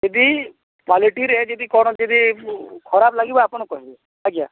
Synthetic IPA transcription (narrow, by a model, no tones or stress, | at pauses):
ed̪i | kaliʈiɾɛd͡ʒed̪ikɔɽd͡ʒed̪ikʰɔɾablaɡibaaːpɔɽ̃kɔɦie | takja